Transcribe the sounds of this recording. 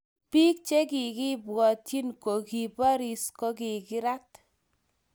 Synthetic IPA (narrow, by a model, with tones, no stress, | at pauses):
pi˦k̚t͡ʃe˦ki˨ki˦bwɔ˨tji˦nko˨ki˨pa˦ɾi˨skɔ˦ki˨kɪ˦ɾa˦t